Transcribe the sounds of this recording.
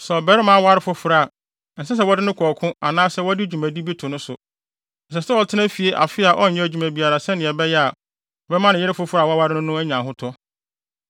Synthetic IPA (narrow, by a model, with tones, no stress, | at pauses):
sɛ˨ɔ˨bɛ˨˦ɾɪ˦mã˦wa˦ɾɪ˦fʊ˦fʊ˨ɾa˨ | n̩˨s̬ɛ˦s̬ɛ˦wɔ˦dɪ˦nʊ̃˦kʰɔ˨kʰʊ̃˦a˨nãː˦sɛ˦wɔ˦dɪ˦d͡ʑᶣu˨mæ˨di˦bi˦tʰʊ˨nʊ̃˦sʊ˨ | n̩˨s̬ɛ˨sɛ˦wɔ˨tʰɪ˦nã˦fi˨e˦ʔa̰˨fɪ˦a˨ʔɔ˦ɲ̩˨ɲɛ̃˦æ˨d͡ʑᶣu˨mæ̃˨bi˨a˨ɾa˨sɛ˦nɪ̃˨ɛ˨bɛ˦jɛ˦a˨ | ɔ˨bɛ˦mã˦nɪ̃˨jɪ˦ɾɪ˦fʊ˦fʊ˦ɾa˨wɔ˦a˦wa˦ɾɪ˦nʊ̃˦nʊ̃˦æ˦ɲã˨ɦʊ˦tʰɔ˦